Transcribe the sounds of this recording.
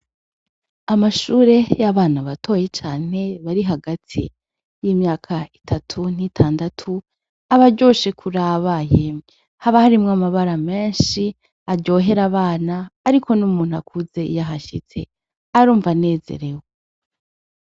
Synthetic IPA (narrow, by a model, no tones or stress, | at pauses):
amaʃuːɾe̞jaβaːnaβatʰo̞ːje̞t͡ʃaːn̥e̞βaɾiɦaɡatʰḭ | jiːmɲaːkʰaitʰatʰun̥itʰaːndatʰu | aβaɾɟo̞ːʃe̞kʰuɾaβaje̞ | haβahaɾimŋamaβaɾame̞ːnʃi | aɾɟo̞ɦe̞ɾaβaːnaːɾikʰo̞numuːn̥huakʰuze̞ʔḭjaɦaʃḭt͡se̞ | aɾuːɱvane̞ːze̞̰ɾe̞we